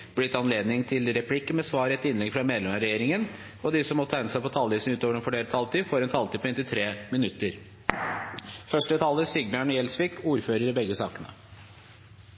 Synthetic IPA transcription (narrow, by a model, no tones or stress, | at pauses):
b̥lɪt̪ɑnleːd̪nɪŋt̪ʰɪlɾɛpʰlɪkːəmɛsʋɑːɾɛɛt̪ːɪnlɛɡfɾɑmɛd̪lɛmɾɛjeːɾɪŋən | ɔd̪ɪsɔmɔt̪ʰːæɪnəsæɪpʰɔt̪ʰɑlʋiːsn̩ʉːt̪oːʋəɾɛnfɔɖeːɾət̪ʰɑlt̪iːfoːɾɛnt̪ʰɑlt̪iːpʰɔɛnt̪ɪt̪ʰɾeːmɪnʉt̪ːəɾ | fœʂʈət̪ʰɑləsɪɡbjɑɳjɛlsʋɪːkuːɾføːɾəɾɪbɛɡːəsɑ̰ːkənə̰